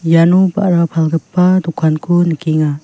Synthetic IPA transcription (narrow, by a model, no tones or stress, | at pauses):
januba̰ʔɾapʰalɡɯpːad̪ɔkʰankʰunikʰiŋa